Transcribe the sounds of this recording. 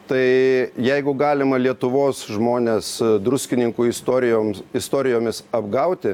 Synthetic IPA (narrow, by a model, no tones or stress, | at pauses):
t̪ɐɪjɛɪɡʊɡɑːlʲɪmɐlʲiɛt̪ʊʋoːsʒmoːnʲeːsd̪ɾʊsʲkʲɪnʲɪŋkuːɪst̪oɾʲɪomɪst̪oːɾʲɪjoːmʲɪsɐbɡɐʊt̪ʲɪ